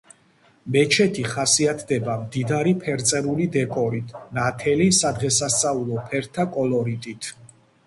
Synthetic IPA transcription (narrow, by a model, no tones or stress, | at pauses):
mɛt͡ʃʰɛt̪ʰiχasiat̪ʰd̪ɛbamd̪id̪aɾipʰɛɾt̪sʼɛɾulid̪ɛkʼɔɾit̪ʰnat̪ʰɛlisad̪ʁɛsast̪sʼaulˠɔpʰɛɾt̪ʰakʼɔlɔɾit̪ʼit̪ʰ